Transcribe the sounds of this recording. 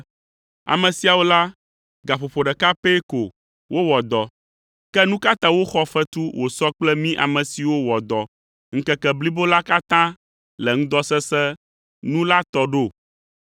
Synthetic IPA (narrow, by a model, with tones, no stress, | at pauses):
a̰˨mɛ̃˨si˨a˨wo˦la˦ | ɡa˨ɸo˨ɸo˨ɖɛ˨ka˦pe˦ko˨ | wʔo˦wɔ˨d̪ɔ˨ | kɛ˦nũ˦ka˦t̪ã˦wo˦xɔ˦fɛ˦t̪u˦wʔo˨sɔ˦k͡plɛ˦mĩ˦ʔa̰˨mɛ̃˨si˨wo˦wɔ˨d̪ɔ˨ | ŋ̩̃˦kɛ˦kɛ˨bli˦bo˦la˦ka˦t̪ã˦ | lɛ˨ŋũ˦d̪ɔ˦sɛ˦sɛ˦ | nũ˦la˦t̪ɔ˦ɖo˦˨